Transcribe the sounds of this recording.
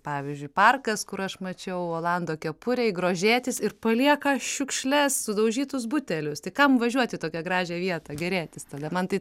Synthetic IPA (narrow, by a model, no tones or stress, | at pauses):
pɑːʋʲizʲd͡ʒʲʊɪpɐrkɐskʊɾɐʃmɐt͡ʃʲɛʊoːlˠɑnd̪oːkʲɛpʊɾʲɛɪɡɾoːʒʲeːt̪ʲɪsɪrpɐlʲiɛkɐʃʲʊkʃʲlʲɛssʊd̪ɐʊʒʲiːt̪ʊsbʊt̪ʲɛlʲʊst̪ɐɪkɐmʋɐʒʲuɔt̪ʲɪt̪oːkʲɛɡɾɑːʒʲɛːʋʲiɛt̪ɐɡʲɛɾʲeːt̪ʲɪst̪ɐd̪ɐmɐnt̪ɐɪ